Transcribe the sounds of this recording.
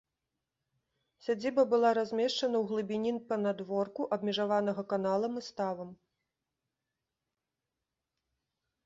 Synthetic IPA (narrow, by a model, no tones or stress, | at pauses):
sʲad͡zʲibɐbɨlˠaɾazʲmʲɛʂt͡ʂɐnɐwɣlˠɨbʲinʲinpɐnad̪vɔrkuʔɐbmʲɛʐavanɐɣɐkanalˠɐmɨst̪avɐm